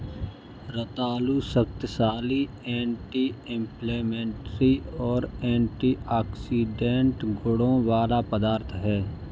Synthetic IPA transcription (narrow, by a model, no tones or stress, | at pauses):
ɾət̪aːluːsəkt̪saːli | ɛ̃ːɳʈiːɪ̃mpleːmɛ̃ːɳʈɾiɔːɾɛ̃ːɳʈiːaːksiːɖẽːɳʈɡʊɽõːʋaːlapəd̪aːɾt̪ʰɦɛː